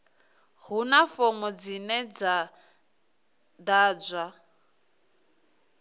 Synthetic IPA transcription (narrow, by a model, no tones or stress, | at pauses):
hunafɔmɔd͡zinɛd͡za | daːd͡ʒʷa